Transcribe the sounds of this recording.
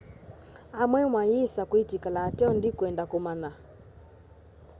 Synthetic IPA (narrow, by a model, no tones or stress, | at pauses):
amwɛmwaisakwitikalatɛɔndikwɛndakumana